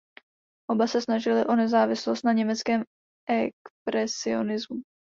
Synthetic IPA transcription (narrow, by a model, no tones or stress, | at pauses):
ʔo̞basɛsnaʒɪlɪʔo̞nɛzaːvɪslost̪naɲɛmɛt͡skɛːm | ʔɛkpɾɛsɪo̞̰nɪzmu